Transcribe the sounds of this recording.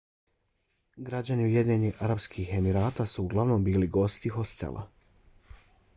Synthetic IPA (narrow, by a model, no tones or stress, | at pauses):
ɡɾad͡ʑaniuje̞d̪ɲeɲiaɾabskʰixe̞miɾaːt̪asuːɡlˠaʋno̞mbiːliɡo̞st̪ixo̞st̪ḛlʔa̰